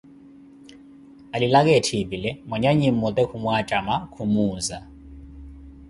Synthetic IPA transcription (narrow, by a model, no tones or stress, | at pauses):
alilak̬ɛtʰibilɛmwaɲaɲim̩mɔt̪ʼɛkʰumwat͡ʃʼamakʰumuːza